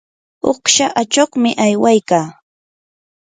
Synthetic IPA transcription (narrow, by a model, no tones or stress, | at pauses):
oχʃaʔat͡ʃoχmɪʔajwajkaː